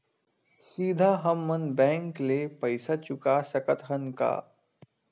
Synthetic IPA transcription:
siːd̪ʱaɦɐmːənbɛ̃ːŋklepɐɪsat͡ʃʊkasɐkət̪ɦənka̰ː

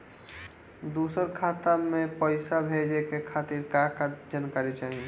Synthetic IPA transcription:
d̪uːsəɾkʰaːt̪amẽpəɪsabʱed͡ʒekekʰaːt̪iɾkakad͡ʒankaːɾit͡ʃaːɦie

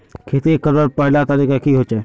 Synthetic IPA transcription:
kʰet̪ekəɾəɾpəɪlat̪əɾiːkakiɦot͡ʃa

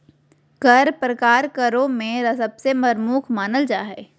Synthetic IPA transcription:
kəɾpɾəkaːɾkəɾõmẽɾɐsəbsemɐɾmuːkʰmaːnəld͡ʒaːɦɛː

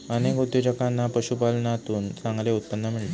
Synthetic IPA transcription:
ənekut̪jod͡ʑəkanːapəɕupalnat̪uːnsãŋɡaleut̪̚pənːəmiɭle

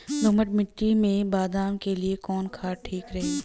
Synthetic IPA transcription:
lʊməʈmɪʈːimẽbaːd̪aːmkeliekɔːnkʰaːʈʰiːkɾɐɦeː

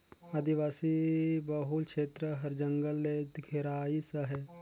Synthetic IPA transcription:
ɐd̪iʋaːsibəɦulkʃeːt̪ɾəɦɐɾd͡ʒəŋɡəlːed̪ɡʱeɾaːisəɦɛ

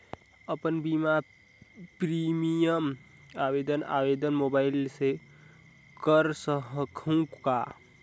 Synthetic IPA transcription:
əpənbima | pɾimijəm | aʋed̪əna̰ʋed̪ənmobaɪlse | kəɾsəɦəkʰũkːa

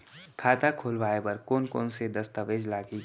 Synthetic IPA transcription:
kʰaːt̪akʰoːlʋaːepɐɾkoːnko̰ːnsed̪ɐst̪aʋeːd͡ʒlaːɡi

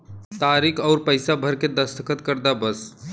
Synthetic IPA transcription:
t̪aɾikʰɔʊɾpəjsabʱəɾked̪əst̪ʰəkət̪kəɾd̪abəs

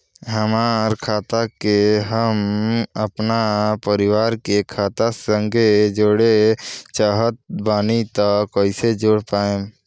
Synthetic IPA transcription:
ɦəmaːɾkʰaːt̪akeɦəməpnapəɾɪwaːɾkekʰaːt̪asə̃ŋɡʱed͡ʒoːɽet͡ʃaɦət̪̚baːnit̪akoːised͡ʒoːɽpaːẽ

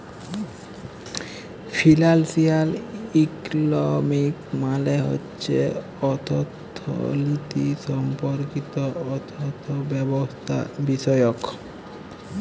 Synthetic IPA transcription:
fʰilalsialiklomikmaleɦo̰tːɕʰe | ɔt̪ʰot̪ʰːo̰lit̪iʃɔmpoɾkit̪oɔt̪ʰot̪ʰobɛbost̪ʰa̰biʃɔjok

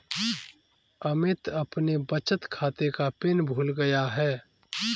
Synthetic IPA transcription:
ɐmɪt̪ɐpnebət͡ʃət̪kʰaːt̪ekapɪnbʱuːlɡɐjaɦɛː

